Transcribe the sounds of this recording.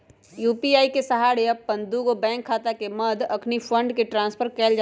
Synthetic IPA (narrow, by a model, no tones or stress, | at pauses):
juːpiaːikesɐɦaːɽeɐbpɐ̃nd̪uːɡobɛ̃ːŋkʰːaːt̪akemɐd̪ɐkʰnifə̃ɳɖkeʈɾãːnspʰəɾkɛːld͡ʒ